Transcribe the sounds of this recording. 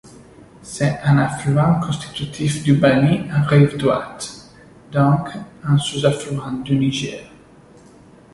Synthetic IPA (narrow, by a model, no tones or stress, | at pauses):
sɛt̪ɛ̃naflyɑ̃kɔ̃st̪i̥t̪yt̪ʰifd̪ybaniɑ̃ʁivd̪ʁwa̰t̪ | d̪ɔ̃kɛ̃suzaflyɑ̃d̪yniʒɛːʁ